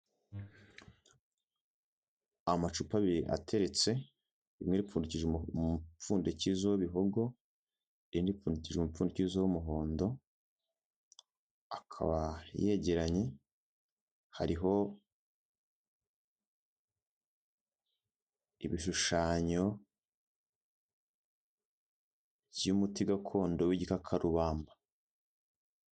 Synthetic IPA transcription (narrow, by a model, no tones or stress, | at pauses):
amat͡ʃupaβiɾiʔa̰tʰe̞ɾe̞t͡se̞ | imŋeɾip͡ffuːndiciʒeup͡fuːndecizowβiɦoɡo̞ | indifuːnduciʒeumufuːndecizowumuɦo̞ːndo̞ | akʰa̰βaje̞ɟe̞ɾaɲe̞ | haɾiɦo̞ | ḭβiʃuʃaːɲo̞ | umutiɡakʰo̞ːndo̞wiɟikakʰaɾuβaːmbḁ